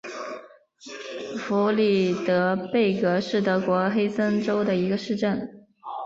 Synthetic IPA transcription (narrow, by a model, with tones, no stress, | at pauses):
fu˧˥li˥˩t̪ɤ˧˥pe˥˩ɪkɤ˧˥ʂɻ̩˥˩t̪ɤ˧˥kwɔ˧˥xe˥ɪsə˥nʈ͡ʂo˥ʊd̪ə˨i˧˥ɡə˧ʂɻ̩˥˧ʈ͡ʂə˥˩n